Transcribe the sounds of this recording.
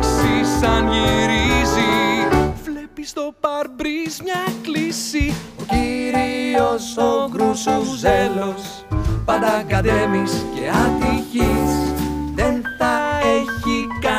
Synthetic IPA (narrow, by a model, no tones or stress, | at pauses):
ksisɐnʝiɾizi | vlepist̪o̞pɐɾbɾizmɲɐklisi | ociɾio̞sokɾusoelos | pɐnd̪ɐkɐt̪emisce̞ɐðiçisðenθɐeçikɐ